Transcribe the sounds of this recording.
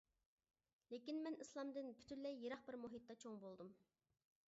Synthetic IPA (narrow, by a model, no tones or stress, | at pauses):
lekʲinmɛnislˠɑmd̪ɨnpʰy̥t̪ʰynlɛjːeɾɑχbɪɾmuɦit̪ːɑt͡ʃʰoŋbolˠd̪um